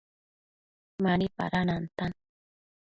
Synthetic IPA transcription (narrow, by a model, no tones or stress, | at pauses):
manipa̰ɾanant̪an